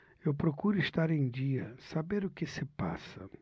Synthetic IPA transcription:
ewpɾokuɾʊɪst̪aɾẽj̃d͡ʒiɐsabeɾʊkɪsɪpa̰sɐ̰

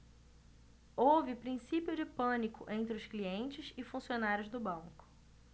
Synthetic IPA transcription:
owvɪpɾĩsipjʊd͡ʒɪpɐ̃nikʊʔẽnt̪ɾɪʊskliẽnt͡ʃɪsɪfũsionaɾjʊzd̪ʊbɐ̃ŋkʊ̥

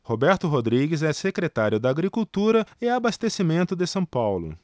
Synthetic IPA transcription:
hobɛɾt̪ʊɦod̪ɾiɡɪzɛsekɾet̪aɾjʊd̪aaɡɾikuwt̪uɾɐɪabast̪esimẽnt̪ʊd̪ɪsɐ̃w̃pawlʊ̰

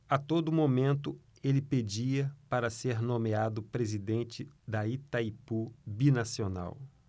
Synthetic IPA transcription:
at̪od̪ʊmomẽnt̪ʊ | elɪped͡ʒiɐpaɾɐseɾnõmead̪ʊpɾezid̪ẽnt͡ʃɪd̪ɐit̪aipubinasiona̰w

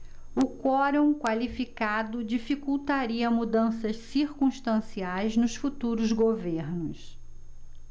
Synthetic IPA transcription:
ʊkɔɾõw̃kwalifikad̪ʊd͡ʒifikuwt̪aɾiɐmud̪ɐ̃sɐssiɾkũʃt̪ɐ̃siajznʊsfut̪uɾʊzɡoveɾnʊs

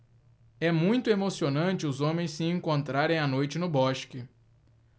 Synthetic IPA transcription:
ɛmũj̃t̪ʊemosionɐ̃t͡ʃɪʊzõmẽj̃ssɪẽŋkõnt̪ɾaɾẽj̃ɐnojt͡ʃɪnʊbɔʃkɪ

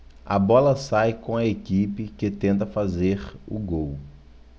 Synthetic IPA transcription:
ɐ̰bɔlɐsajkõɐekipɪkɪt̪ẽnt̪ɐfazeɾʊɡow

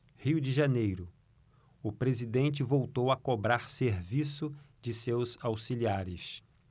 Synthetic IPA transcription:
hiwd͡ʒɪʒanejɾʊ | ʊpɾezid̪ẽnt͡ʃɪvowt̪owɐkobɾaɾseɾvisʊ | d͡ʒɪsewzawsiliaɾɪs

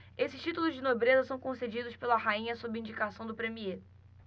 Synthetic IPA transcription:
esɪ̥ʃt͡ʃit̪ulʊzd͡ʒɪnobɾezɐsɐ̃w̃kõsed͡ʒid̪ʊspelɐhaĩɲɐsobɪĩd͡ʒikasɐ̃w̃d̪ʊpɾemie

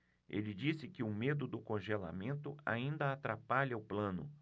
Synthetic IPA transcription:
ḛlɪd͡ʒisɪkɪʊmed̪ʊd̪ʊkõʒela̰mẽnt̪ʊa̰ĩnd̪ɐat̪ɾapaʎɐʊplɐ̃nʊ̰

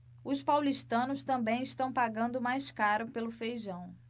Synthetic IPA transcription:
ʊspawliʃt̪ɐ̃nʊst̪ɐ̃mbẽj̃ɪʃt̪ɐ̃w̃paɡɐ̃nd̪ʊmajskaɾʊpelʊfejʒɐ̃w̃

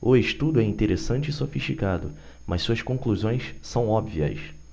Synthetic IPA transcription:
ʊeʃt̪ud̪ʊɛĩnt̪eɾesɐ̃nt͡ʃɪɪsofiʃt͡ʃikad̪ʊ | mɐssuɐskõkluzõj̃ssɐ̃w̃ɔbviɐ̰s

